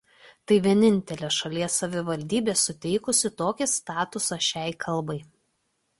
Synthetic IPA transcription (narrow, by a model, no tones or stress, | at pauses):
t̪ɐɪʋʲiɛnʲɪnʲt̪ʲɛlʲeːʃɐlʲiɛsːɐʋʲɪʋɐlʲd̪ʲiːbʲeːsʊt̪ʲɛɪkʊsʲɪt̪oːkʲɪst̪ɑːt̪ʊsɐʃʲɛɪkʰɐlˠbɐɪ